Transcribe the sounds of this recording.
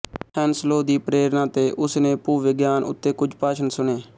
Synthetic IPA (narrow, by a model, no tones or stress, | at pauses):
hʰɛːnsloːd̪iːpɾeːɾnãːt̪eːʔʊsnẽːpuːʋɪɡjaːnʊ̰t̪ːeːkʊd͡ʒpaːʃʰənsʊɳeː